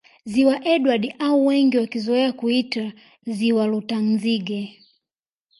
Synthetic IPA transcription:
ziwaʔɛɗwaɗiʔauwɛŋɡiwakizɔɛakuita | ziwalɔtaŋziɡɛ

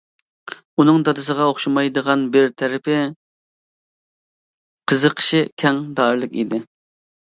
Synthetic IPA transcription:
unɨŋd̪ɑt̪ɨsəʁɑoχʃumɑjd̪əʁɑnbɪɾt̪ʰɛɾɪpʰɪ | qʰəzəqʰə̥ʃɪkʲʰɛŋd̪ɑɾlˠɨkʲḭd̪ɪ

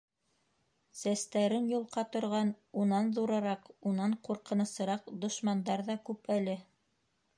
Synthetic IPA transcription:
sæst̪æɾɘnjulˠqɑt̪ŏɾʁɑn | unɑnðuɾɤɾɑqunɑɴquɾqɤ̆nɤ̆sɤ̆ɾɑqd̪ŏʃmɑnd̪ɑɾðɑkʉpælɘ

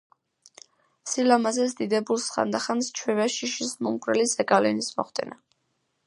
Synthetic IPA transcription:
silamazɛsd̪id̪ɛbulˠsχa̰nd̪aχanst͡ʃʰwivɛʃiʃismumkʼɾɛlizɛkʼalɛnismɔ̰χd̪ɛ̰na

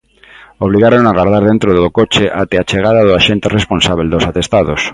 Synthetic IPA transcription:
oβliɣaɾoŋaɣaɾð̞aɾðẽnt̪ɾoðeðokot͡ʃeʔat̪eat͡ʃeɣ̞aðaðoaʃent̪eresponsaβeld̪osat̪est̪aðos

